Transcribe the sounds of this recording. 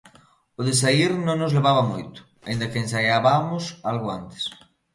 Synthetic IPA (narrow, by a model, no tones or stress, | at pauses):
ʊðesaiɾnõŋnozleβ̞aβ̞amojt̪ʊ̥ | aĩnd̪akeensajaβamʊsalɣʊant̪e̥s